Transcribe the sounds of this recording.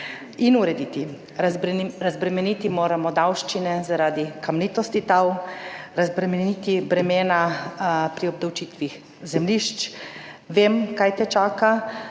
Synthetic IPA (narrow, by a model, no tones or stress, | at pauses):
inuɾɛd̪it̪i | ɾazbɾɛmɛnit̪imoːɾamɔd̪awʃt͡ʃinɛzaɾaːd̪ikʰamnit̪ɔst̪it̪awɾazbɾɛmɛniːt̪ibɾɛmeːnapɾiɔb̚d̪awt͡ʃit̪ʋix | zɛmliʃt͡ʃ | ʋemkajt̪ɛt͡ʃaːka